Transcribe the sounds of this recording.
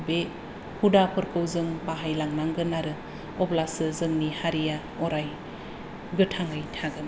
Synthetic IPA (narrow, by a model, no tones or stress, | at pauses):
be | hudapʰɯɾkʰɯwzɯŋpaɦajlaŋnaŋɡɯnaɾɯ | ɔplasɯzɯŋnihaɾija | ɔɾaj | ɡɯtʰaŋɯjtʰaɡɯn